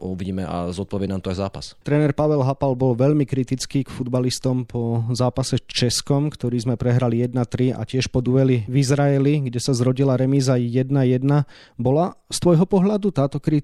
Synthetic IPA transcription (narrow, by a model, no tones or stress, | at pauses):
ʔuʋiɟiːmɛa̰zɔt̪̚pɔʋɪɛnamt̪ɔajza̰ːpa̰st̪ɾɛːnɛɾpaʋɛlɦapalbɔlʋɛʎmikɾit̪it͡skiːkfud̪balist̪ɔmpʰɔzaːpasɛt͡ʃɛskɔmkt̪ɔɾiːzmɛpɾɛɦɾalijɛd̪nat̪ɾia̰cɪɛʃpɔd̪uʋɛlivizɾaɛliɡɟɛsazɾɔɟilaɾɛmizajɛd̪najɛd̪na | bɔlast̪ʋɔjɦɔpɔɦʎad̪ut̪aːt̪ɔkɾi